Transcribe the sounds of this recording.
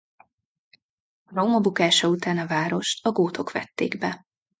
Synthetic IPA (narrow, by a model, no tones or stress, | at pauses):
romɒbukaːʃɒut̪aːnɒvaːɾo̞ʃt̪ɒɡoːt̪ʰo̞kʋɛ̰t̪ːḛːɡbɛ